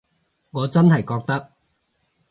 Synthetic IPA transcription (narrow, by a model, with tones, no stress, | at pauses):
ŋɔː˨˧t͡sɐ˥nɦɐ˨jkɔː˧k̚t̪ɐ˥k̚